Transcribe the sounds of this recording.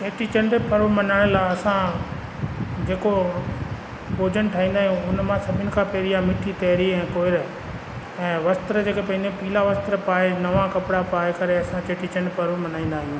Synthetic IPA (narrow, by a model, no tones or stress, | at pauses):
t͡ʃeːʈʰit͡ɕɐ̃ɳɖpɐɾmɐnaːɽ̃əlaɐsã | d͡ʑeːko | boːd͡ʑənʈʰaːĩːnd̪aːɦijũʊnmãsɐbʱɪnɪ̆kʰãpeːɾijãmɪʈʰit̪eːɾiɛ̃ːkoːɪɾ | ɛ̃ːʋɐst̪ɾəd͡ʑeːkepɐ̃nd̪ajũpiːlaʋɐst̪ɾəpaːenɐʋakɐpɪɽapaːekɐɾeɐsãt͡ɕeːʈʰit͡ɕɐ̃ɳɖpɐɾʋmɐnaːĩːn̆d̪aːɦijũː